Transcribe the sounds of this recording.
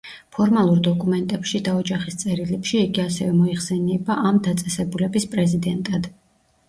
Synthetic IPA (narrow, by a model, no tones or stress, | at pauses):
pʰɔɾmalˠuɾd̪ɔkʼumɛnt̪ʼɛpʃid̪aɔd͡ʒaχist̪sʼɛɾilɛpʃiːɡiasɛvɛmɔiχsɛnɛbaʔamd̪at̪sʼɛsɛbulɛbispʼɾɛzid̪ɛnt̪ʼad̪̥